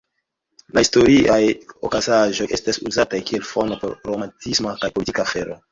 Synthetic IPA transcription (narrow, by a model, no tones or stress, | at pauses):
lʔahisto̞ɾiʔajokazaʒo̞jʔe̞stasuzatajkie̞lfonopo̰ɾɾomantismakajpolitikaːfe̞ɾo̞